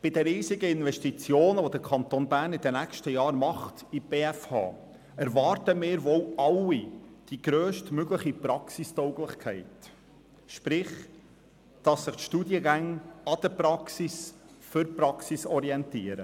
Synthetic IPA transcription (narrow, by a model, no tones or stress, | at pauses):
b̥ɪd̥əɾiːzɪɡəɪnvɛʃtit͡sjoːnəʋod̪əɾkʰɑnt̪onbæːɾnɪd̪ənækʃtəjɑːɾmɑχtib̥eːæfhɑ̰ː | ɛɾvɑːɾtəmɪːɾʋɔwʔɑlːid̥iɡ̥ɾøːʃtmøɡləχipɾɑksistɔʊɡlɪχkʰɛɪt | ʃpɾɪχ | d̥ɑsːɪχtʃtuːdjəɡæŋɑd̥̪əpɾɑksis | fʏɾpɾɑksisɔɾiɛnt̪iːəɾə